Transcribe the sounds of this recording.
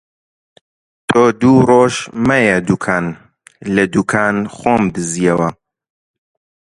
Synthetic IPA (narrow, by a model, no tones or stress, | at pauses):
t̪ʰoːd̪uːroːʃmɐjɐd̪ukʰaːn | lɐd̪ukʰaːnxoːmd̪ɨzijɛwɐ